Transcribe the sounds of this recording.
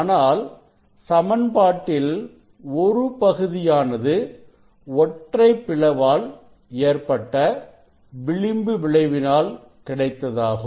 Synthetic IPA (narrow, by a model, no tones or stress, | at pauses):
naːl | sɐmɐnpaːʈːɪl | ɔɾɯpɐɣɯðɪjaːnɐðɯ | ɔʈrɐɪpːɪɭɐʋaːl | eːrpɐʈːɐ | ʋɪɭɪmbɯʋɪɭɐɪʋɪnaːl | kɪɽɐɪt̪ːɐðaːɣɯ